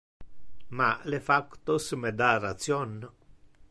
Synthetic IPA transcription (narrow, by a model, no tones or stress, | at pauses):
malefakt̪osmed̪arat̪sjon